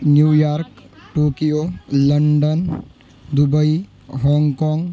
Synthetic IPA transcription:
njuːjaːɾkʈoːkijoləɳɖən | d̪ubəi | ɦɔŋkɔːŋɡ

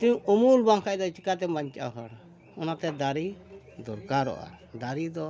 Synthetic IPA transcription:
t̪uɲumulbaŋkʰajd̪ɔt͡ʃikat̪̬ɛmaɲt͡ʃa̰ɦɔɽ | ɔnat̪ɛd̪aɾi | d̪ɔɾkaɾɔ̰ʔa̰d̪aɾid̪ɔ

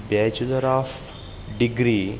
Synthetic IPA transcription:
bɛt͡ʃuləɾaːf | ɖiɡɾi

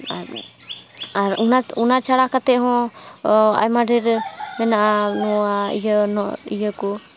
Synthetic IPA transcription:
a | aɾunaunat͡ʃaɽakat̪ɛʔɦɔ̃ | a̰jmaɖiɾmɛnaʔanɔaijənɔḭjəku

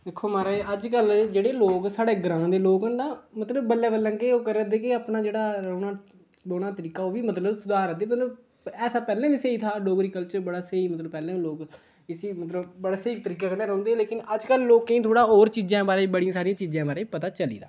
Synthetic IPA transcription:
d̪eːkʰːoːmaːɾaeʔəd͡ʒkəld͡ʒeːɽeːloːksaːɽeːɡɾãːd̪eːloːkɦənd̪aːmət̪ləbːəlːɛːbəlːãːŋkeoːkəɾːɾə̃d̪eːkɪaːpnaːd͡ʒeːɽaːɾəːnaː | boːɽaːt̪əɾiːkaːoːʋiːmət̪ləbsʊd̪ʱaːɾənd̪eːmət̪ləb | ɛːsaːpɛːlẽːʋiːseiːt̪ʰaːɖoːɡɾiːkəlt͡ʃəɾbəɽaːseːiːmət̪ləbpɛːlẽːloːk | ɪsiːmət̪ləbbəɽaːseiːt̪əɾiːkaːkəneːɾə̃õːnd̪eːleːkɪnəd͡ʒkəlːoːkːĩːt̪ʰoːɽaːoːɾt͡ʃiːd͡ʒãːbaːɾeːbəɽijãsaːɾijãːt͡ʃiːd͡ʒãːbaːɾeːipət̪aːt͡ʃəlḭːd̪aː

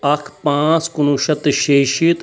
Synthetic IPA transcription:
ɐkʰpãːt͡skunuʃɐt̪ʃeːʃiːt̪

